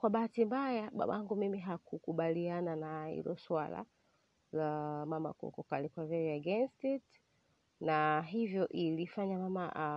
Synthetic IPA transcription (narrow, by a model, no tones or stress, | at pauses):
kwaɓaatimbajaɓa̰ɓaaŋɡumimiɦakʰukuɓaliananahḭlɔ̰swala̰ | lamama̰kɔ̰kɔkalikwavɛviaɡɛnstit | naɦivjɔʔilifaɲamamaʔ